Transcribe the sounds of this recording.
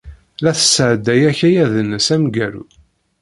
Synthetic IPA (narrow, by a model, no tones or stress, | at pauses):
læθə̥sːəʕd̪ːæjæçæjæðənːəsæmɡæɾṵ